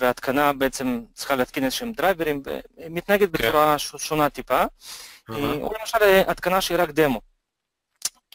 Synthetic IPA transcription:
veat̪kʰanabeet͡se̞mt͡s̪ʁiχaleat̪kinezeʃeemd̪ɾajveɾimvḛmit̪naeɡet̪̚bet͡suɾaʃʃo̞nat̪ipa | ṵlemaʃalʔat̪kanaʃeiɾakd̪emo̞

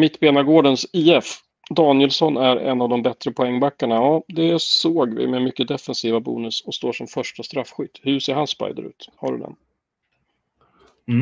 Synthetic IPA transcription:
mɪt̪ːbeːnaɡoːɖənsiːɛf | d̪ɑːnjɛlsɔnæɾɛ̰nːavd̪ɔmbɛt̪ɾəpʰɔɛŋːbakːaɳajɑːd̪ɛsoːɡvɪ̰mɛmʏkːəd̪ɛfɛnsiːvabṵːnɵsɔst̪oːʂɔmfœʂʈast̪ɾafːɧʏt̪ːhɵʂeːɾhanspa̰jd̪ə̰ɾʉ̟̰ːt̪haɖɵ̰d̪ɛ̰n

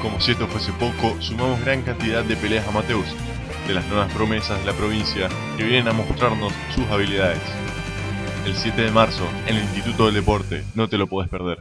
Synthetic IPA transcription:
ko̞mo̞sie̞st̪o̞fwese̞po̞kosumamo̞zɣɾaŋkant̪ið̞ad̪̚ːe̞pe̞leasamat̪e̞ws | d̪e̞laznwe̞βaspɾo̞me̞sazð̞e̞lapɾo̞β̞insja | keβjenenamo̞st̪ɾaɾno̞sːusaβiliðaðes | elsje̞t̪e̞ðe̞maɾso̞ | enelinst̪it̪ut̪o̞ðeld̪e̞po̞ɾt̪eno̞t̪e̞lo̞poðespeɾð̞eɾ

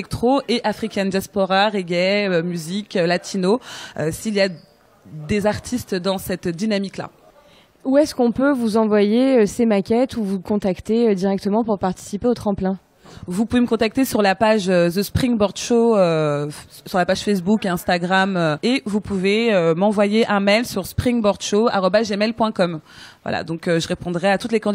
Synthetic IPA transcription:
ɛk̚t̪χoʔeʔafχikʲɛnd̪jaspoʁaʁeɡɛømyzikʲølat̪ʰinoøsilija | d̪ezaʁt̪ʰist̪d̪ɑ̃sɛt̪d̪inamikla̰ | uɛskɔ̃pøvuzɑ̃vwajeøsemakʲɛt̪ʰuvukɔ̃t̪akt̪eød̪iʁɛk̚t̪əmɑ̃puʁpaʁt̪i̥sipeot̪χɑ̃plɛ̃ | vupuveməkɔ̃t̪ak̚t̪esyʁlapaʒød̪əspχiŋbɔʁd̪ʃoø | syʁlapaʒ̥fɛs̬bukɛ̃st̪aɡʁamøevupuveømɑ̃vwajeʔɛ̃mɛjlsyʁspχiŋbɔʁd̪ʃoa̰ʁɔbazʒemɛlpwɛ̃kɔmvwa̰la̰d̪ɔ̃køʒəʁepɔ̃d̪ʁɛat̪ut̪lekɑ̃

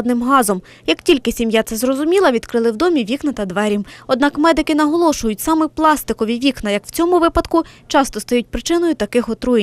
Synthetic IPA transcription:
d̪nɪmɦɑzɔm | jɐktʲilʲkɪsʲimjat̪sɛzrɔzʊmʲilˠɐʋʲid̪kɾɪlˠɪwd̪ɔmʲiʋʲiknɐt̪ɐd̪ʋɛɾʲimɔd̪̚nɑkmɛd̪ɪkɪn̪ɐɦɔlˠɔʃʊjʊtʲsɑmɛplˠɑst̪ɪkɔʋʲiʋʲiknɐjɐkw̥t͡sʲɔmʊʋɪpɐd̪kʊt͡ʃɑst̪ɔst̪ɐjut̚ʲpɾɪt͡ʃɪnɔjʊt̪ɐkɪxɔt̪ɾuj

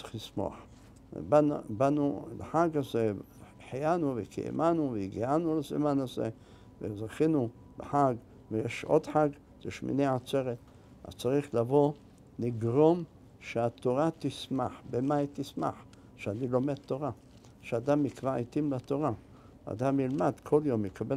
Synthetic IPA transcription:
t͡siχlismo̰a̰ħ | babanuleħaɡaze | ħijanuvekḛḛmʔanuveiɡianulazḭmanazḛ | vḛzaχinu | lḛħaɡ | vejeʃʔo̞̰d̪ħaɡ | zeʃmḭneʕat͡se̞ʁet̪ | a̰zt͡saʁiχlavo̞ | niɡʁo̞m | ʃeat̪o̞ʁat̪isma̰ħbemait̪isma̰ħ | ʃeanilo̞med̪̚t̪ːo̞ʁa | ʃead̪amikvait̪imlat̪o̞ʁa | a̰d̪amjilmad̪kʰo̞ljo̞mjekʰabe

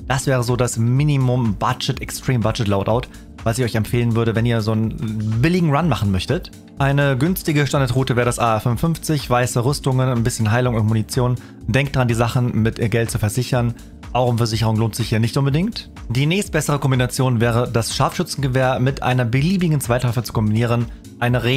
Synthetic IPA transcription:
d̥asv̥ɛːʁəzoːdasminimʊmb̥ad͡ʒɛtɛkstʁ̥iːmbad͡ʒɛtlaʊtʔa̰ʊt | v̥asɪçɔʏçɛmfeːlənvʏɐɾəvɛniːɐzoːnbɪlɪɡŋ̩ʁanmaχn̩mœçtət | ʔaɪnəɡʏnstɪɡəʃtandaɐtʁuːtəvɛːʁədasʔaːfʏmvʊnfʏnft͡sɪçv̥aɪsəʁʏstʊŋənanbɪsçənɦaɪlʊŋʊntmunit͡sjoːn | d̥ɛŋk̚td̥aʁandiːzaχn̩mɪtɡɛlt̚t͡sufɛɐzɪçɐn | ʔaʊxʊmfɛɐzɪçəʁ̞ʊŋloːntz̥ɪçhiːɐnɪçtʔʊnbədɪŋkt | d̥iːnɛːçst̚b̥ɛsəʁ̞əkʰɔmbinat͡sjoːnvɛːʁ̞ədasʃaɐfʃʏt͡sn̩ɡəvɛːɐmɪtʔa̰ɪnɐbəliːbɪɡŋ̩t͡sv̥aɪtlɔfət͡su̥kʰɔmbiniːʁ̞ən | ʔaɪnəʁeː

